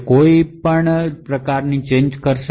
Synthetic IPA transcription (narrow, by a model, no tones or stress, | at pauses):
koipəɳpɾəkaɾnit͡ʃẽɲd͡ʒkəɾʃ